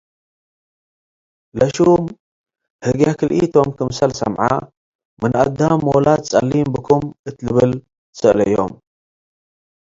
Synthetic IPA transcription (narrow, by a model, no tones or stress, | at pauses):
lɐʃum | hɨɡjakɨlʔḭt̪ʰo̞mkʰɨmsɐlsɐ̰mʕa̰ | mɨnʔad̪amːolat̪̚t͡sʼɐlːimbɨkʰumʔɨt̪lɨβɨl | sɨʔlɐjo̰m